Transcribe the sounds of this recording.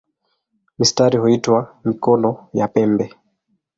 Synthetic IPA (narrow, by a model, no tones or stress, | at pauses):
mistaɾihuitwamikɔlɔjapɛmbɛ